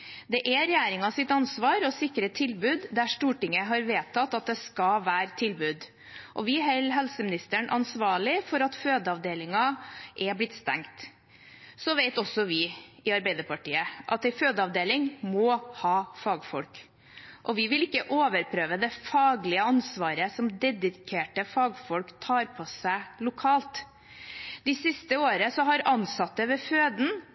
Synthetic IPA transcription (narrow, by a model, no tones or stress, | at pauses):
d̪ɛʔɛɾɛjæːɾɪŋɑsɪt̪ɑnsʋɑːɾɔsɪkːɾət̪ʰɪlbʉːd̪d̪æʂʈuːʈɪŋəɦɑɾʋeːt̪ʰːɑt̪ːɑt̪̚d̪ɛskɑʋæːɾt̪ʰɪlbʉːd̪ | ʔɔʋɪɦɛlɦɛlsəmɪnɪst̪əɳʔɑ̰nsʋɑːɭɪfɔɾɑt̪føːd̪əɑʋd̪eːlɪŋɑʔɛblɪt̪ːst̪ɛ̰ŋkt̪ | sɔʋɛɪt̪ɔsːɔʋɪɪɑɾbæɪd̪əɾpɑʈiːəʔɑt̪ɛɪføːd̪əɑʋd̪eːlɪŋmɔhɑːfɑːɡfɔlk | ʔɔʋɪʋɪlɪkːəʔoːʋəɾpʰɾøːʋəd̪ɛfɑːɡlɪəɑnsʋɑːɾəsɔmd̪ɛd̪ɪkʰeːʈəfɑːɡfɔlkt̪ʰɑːɾpʰɔsæɪlʊkʰɑːlt̪ | d̪̥ɪsɪst̪əoːɾəsɔɦɑɾɑnsɑt̪ːəʋɛføːd̪n̩